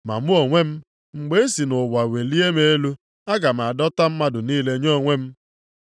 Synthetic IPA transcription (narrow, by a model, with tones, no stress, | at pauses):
ma̰˨mu˦o˨ŋʷe˦m̩˦ | ŋ͡m̩˨ɡ͡be˦e˦si˨nʊ˨wa˨we˨li˦e˦me˨e˦lu˦ | a˦ɡa˨m̩˨a˨dɔ˦ta˦m̩˦ma˦dʊ˨niː˦le˦ɲo˦˨ŋʷe˦m̩˦